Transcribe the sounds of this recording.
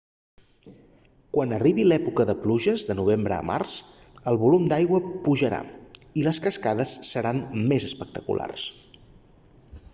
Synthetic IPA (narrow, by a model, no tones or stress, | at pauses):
kwanəriβilɛpukəðəpluʒəzðənuβ̞embɾə̰ːma̰rz̥ | əlˠβulumd̪ajɣwəpuʒəɾa̰iləskəskaðəsːəɾanmezəspək̚t̪əkṵlʔa̰rs